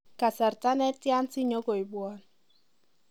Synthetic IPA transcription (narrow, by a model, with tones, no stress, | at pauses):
ka˨sa˨rta˦nɛ˦tja˦nsi˦ɲo˦ko˨i˨bwɔ˦n